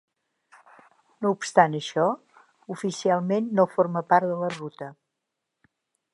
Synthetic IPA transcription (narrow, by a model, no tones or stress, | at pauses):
noupst̪anəʃɔ | ufisialˠmenːofoɾməpaɾt̪ðələrut̪ə